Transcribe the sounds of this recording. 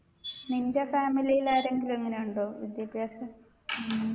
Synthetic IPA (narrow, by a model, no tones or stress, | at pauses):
nindefaːmilijilaːɾe̞ŋɡilueŋːɐne̞juɳɖoːʋḭd̪jɐbjaːsɐ